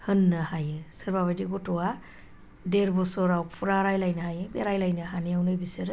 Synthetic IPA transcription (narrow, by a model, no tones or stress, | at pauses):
hɯnːɯhajɯsɯɾbaβadiɡɔtɔwa | deɾbɔsɔɾawpʰuɾaɾajlajnɯɦajɯbeɾajlajnɯɦanijawnɯbisɯɾ